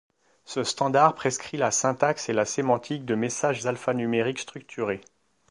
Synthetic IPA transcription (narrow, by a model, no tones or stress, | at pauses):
səst̪ɑ̃d̪aʁpχeskχilasɛ̃t̪akselasemɑ̃t̪ʰik̚d̪əmesaʒzalfanymeʁikst̪χyk̚t̪ʰyʁe